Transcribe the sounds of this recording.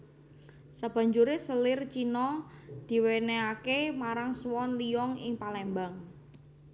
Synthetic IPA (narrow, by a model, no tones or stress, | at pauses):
səb̥a̤ɲd͡ʒuɾesəlɪrt͡ʃinɔd̪̥i̤weneakemaɾaŋswɔnliɔŋɪ̰ŋpalɛmbaŋ